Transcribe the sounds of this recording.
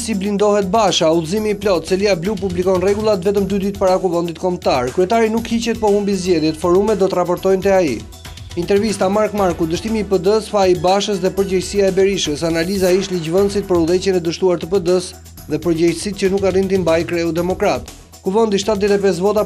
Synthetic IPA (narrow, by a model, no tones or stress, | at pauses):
siblind̪ɔɦɛt̪̚baʃauzimiːplɔt̪sɛliablupublikɔnrɛɡulˠat̪vɛt̪əmd̪yd̪it̪̚paɾakuvənd̪it̪kɔmt̪aɾkɾyɛt̪aɾinukhit͡ɕɛt̪̚pɔhumbizɟɛðjɛt̪fɔɾumɛt̪̚d̪ɔt̪ərapɔɾt̪ɔjnt̪ɛaḭ | int̪ɛɾvist̪amaɾkmaɾkud̪əʃt̪imiːpəd̪əsfaibaʃəsðɛpəɾd͡ʑəjsiaɛbɛɾiʃəsanalizaiʃt̪lid͡ʑvənsit̪̚pəɾuðɛt͡ɕɛnɛd̪əʃt̪uaɾt̪əpəd̪əs | ðɛpəɾd͡ʑɛjsit̪̚cənukarint̪imbajkɾɛud̪ɛmɔkɾat̪ | kuvənd̪iʃ̬t̪at̪ðɛt̪ɛp̬ɛs̬vɔt̪a